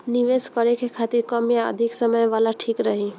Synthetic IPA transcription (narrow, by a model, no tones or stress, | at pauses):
niʋeskəɾekekʰat̪iɾkəmjaə̰d̪ʱiksəməjʋalaʈʰikɾəɦi